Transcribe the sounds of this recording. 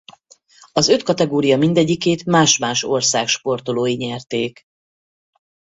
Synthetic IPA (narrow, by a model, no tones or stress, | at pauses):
ɒzø̞t̪kɒt̪ɛɡoːɾijɒmind̪ɛɟːikeːt̪maːʃmaːʃo̞rsaːkʃpo̞rt̪o̞loːjiɲɛrt̪eːk